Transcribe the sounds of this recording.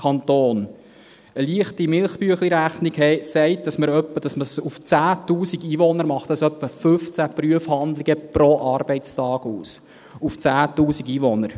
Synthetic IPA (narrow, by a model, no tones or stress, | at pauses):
kʰɑntoːn | əliəχtimɪlχpyəχliɾæχniɡhɛɪsɛɪt̚d̥ɑsməɾœpːəd̥ɑsməsuft͡sæːtuːsiɡiːʋɔnəɾmɑχtdɑsœpːəfɵft͡sæpryəfhɑnd̪lɪɡəpɾoʔɑrb̥ɛɪt͡stɑːɡuːs | uft͡sæːtuːsiɡiːʋonəɾ